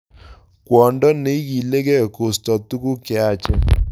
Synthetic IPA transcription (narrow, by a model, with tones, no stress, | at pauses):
kwɔ˨ndɔ˦ne˨˦ɣi˨le˦k̬ɛ˦˨ko˨stɔ˨t̪u˦ku˦kɪ˨a˦t͡ʃɛ˦